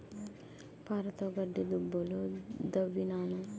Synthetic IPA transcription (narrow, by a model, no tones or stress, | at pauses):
paːɾɐt̪oɡɐɖːid̪ubːolod̪ɐʋːinaːnu